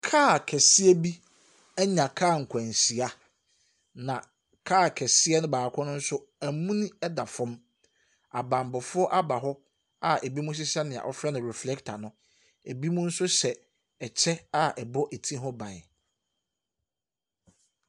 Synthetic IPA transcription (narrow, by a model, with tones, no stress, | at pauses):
kʰaː˦˨kʰɛ˨sɪ˦ɛ˦bi˦ | æ˦ɲã˨kʰaː˦˨ŋ̩˨kʷʰæ̃˨n˨si˨a˦ | nã˨ | kʰaː˦˨kʰɛ˨sɪ˦ɛ˦nʊ̃˦baː˨kʰɔ̃˦nʊ̃˦n̩˦sʊ˦æ˨mũ˦nĩ˦ɛ˦da˨fɔ̃˦m | a˨bã˨m˨bɔ˨fʊ˦ɔ˦ʔa˦ba˨ɦɔ˦ | a˦e˨bi˦mũ˦s̬ɪ˦sa˦nɪ̃˨a̰˨ʔɔ˦fɾɛ˦nɪ̃˨ɾɛ˨flɛ˦ktʰa˨nʊ̃˦ | e˨bi˦mũ˦n̩˦sʊ˦sɛ˨ | ɛ˨t͡ɕʰɛ˦a˦ɛ˨bɔ˦ʔe˨tʰĩ˦ɦɔ˦bã˨